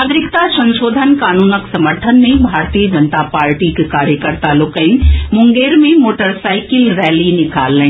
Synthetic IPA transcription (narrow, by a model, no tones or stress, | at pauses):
ɡɾɪkt̪asɐ̃nʃoːd̪ʱənkaːnuːnəksɐməɾt̪ʰənmẽbʱaːɾt̪ijəd͡ʒənt̪apaːɾʈikekaːɾjəkəɾt̪alʊkːɐĩmʊ̃ŋɡeːɾmẽmoːʈəɾsaːɪkɪlɾɛːlinɪka̰ːlːẽ